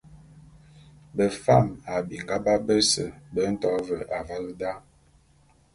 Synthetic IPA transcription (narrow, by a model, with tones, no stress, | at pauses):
bə˨fa˦˨ma˨bi˨ŋɡa˦ba˦bə˦sə̰˨bə˦n̩˦tɔ˨˦və˨ʔa˨va˦lə˦da˦